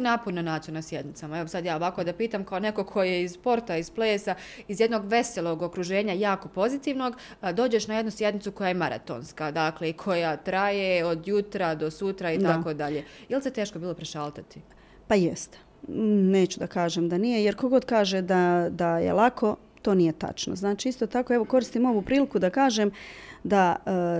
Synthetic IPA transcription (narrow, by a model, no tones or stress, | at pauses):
napononaːt̪ijunasje̞d̪nɪt̪samaeʋosad̪jaːo̞ʋaːko̞d̪apiːt̪amkaone̞ko̞kʰo̞jeizpo̞ɾt̪aizpleːsaizje̞d̪no̞ɡʋe̞selˠo̞ɡo̞kɾuʒe̞ːɲajaːko̞po̞zit̪iʋno̞ɡ | d̪oːd͡ʑe̞ʃnaje̞d̪nusje̞d̪nit̪suko̞jajemaɾa̰t̪o̰nskad̪akle̞ikʰo̞jat̪ɾajeo̞d̪jut̪ɾad̪o̞sut̪ɾait̪ako̞ːd̪aʎe̞iliset̪e̞ːʃkobiːlˠo̞pɾeʃaːlˠt̪at̪i̥ | pajest̪e̥ | ne̞ːt͡ɕud̪akaːʒemd̪anijejeɾko̞ɡo̞d̪kaːʒed̪ad̪ajḛlˠakʰo̞ | t̪o̞ːnijet̪a̰t͡ʃnoznaːt͡ʃiist̪o̞ːt̪ako̞eʋo̞ko̞ɾist̪imo̞ʋupɾiːlikud̪akaːʒemd̪a